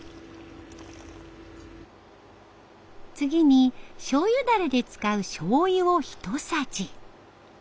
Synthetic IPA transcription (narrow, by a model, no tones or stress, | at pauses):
t͡sɨɡʲiɲ̟iɕo̞ːjɯ̟d̪aɾed̪e̞t͡sɨ̥kaɯ̟ɕo̞ːjɯoçi̥t̪o̞sat͡ɕi